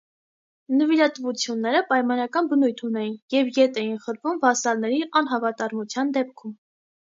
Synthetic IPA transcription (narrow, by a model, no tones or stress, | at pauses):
nəvilɑt̪vut͡sʰjunːɛɾəpɑjmɑnɑkɑnbənujt̪ʰunɛjinjɛvjɛt̪ɛjinχəɾvumvɑsɑlnɛɾiʔɑn̪ɦɑvɑt̪ɑɾmut͡sʰjɑnd̪ɛp̚kʰum